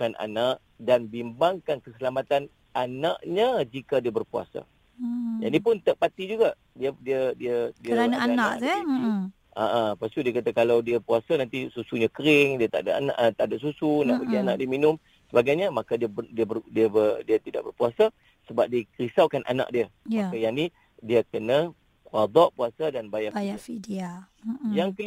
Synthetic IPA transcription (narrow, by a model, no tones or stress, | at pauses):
kana̰naʔ | danbimbaŋkankəsəlamat̪an | anaʔɲad͡ʒikadiəbərpua̰sa̰ | d͡ʒa̰dipʊnt̪əʔpat̪id͡ʒuɡaʔ | diədiədiədiəanaaanaaʔɛi | ʔaʔapast̪udiəkat̪akalawdiəpuasanant̪isusuɲakəɾɪŋdiət̪aʔda̰ʔana̰ʔt̪aʔdaʔsusunaʔpəɡiana̰ʔdiəminʊm | səbaɡajɲəmakadiəədiəbərdiəbədiat̪ida̰ʔbərpuasa | səbap̚diəkəɾisawkanʔa̰na̰ʔdiəjaajani | diəkəna | kuad̪ɔʔpuasadanbajabajafidia | jaŋkəl